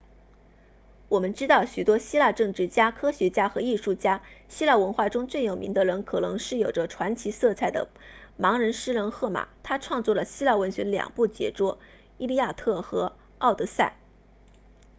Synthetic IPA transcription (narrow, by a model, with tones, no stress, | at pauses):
wɔ˨˩mə˧˦nʈ͡ʂɻ̩˥t̪ɑ˥˩ʊɕy˨˩t̪wɔ˥ɕi˥la˥˧ʈ͡ʂɤ˥˧ŋʈ͡ʂɻ̩˥˩t͡ɕja˥kʰɤ˥ɕɥɛ˧˥t͡ɕja˥xɤ˧˥i˥˧ʂu˥˩t͡ɕja˥ɕi˥la˥˩wə˧˥nxwa˥˩ʈ͡ʂʊ˥ŋt͡swe˥˩ɪjo˨˩ʊmḭ˧˥ŋd̪ə˧ɻə˧˥nkʰɤ˨˩nɤ̰˧˥ŋʂɻ̩˥˩jo˨˩ʊʈ͡ʂə˧˦ʈ͡ʂʰwa˧˥nt͡ɕʰi˧˥sɤ˥˧t͡sʰa˥˩ɪd̪ə̰˩mɑ˧˥ŋɻə˧˥nʂɻ̩˥ɻə˧˥nxɤ˥˩ma̰˨˩˦t̪ʰa˥ʈ͡ʂʰwɑ˥˧ŋt͡swɔ˥˩lə˩ɕi˥la˥˩wə˧˥nɕɥɛ˧˥d̪ə˧ljɑ̰˨˩ŋpu˥˩t͡ɕjɛ̰˧˥ʈ͡ʂwɔ˥ | i˥li˥˧ja˥˧t̪ʰɤ˥˩xɤ˧˥ | ɑ˥˩ʊt̪ɤ˧˥sa˥˩ɪ